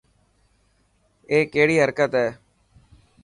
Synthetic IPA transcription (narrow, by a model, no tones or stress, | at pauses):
eːkeːɽiːɦəɾkət̪ɦɛː